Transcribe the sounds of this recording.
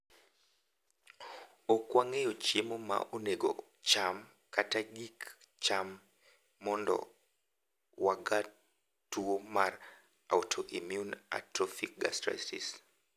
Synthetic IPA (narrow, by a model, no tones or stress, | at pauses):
okwaŋejot͡ʃemoma̰ʔoneɡɔ̰ | t͡ʃam | kataɡik | t͡ʃamː | ɔndɔ̰ | waɡa | tuomar | a̰wtʰoʔimjuna̰tɾɔfik̚ɡa̰stɾa̰stis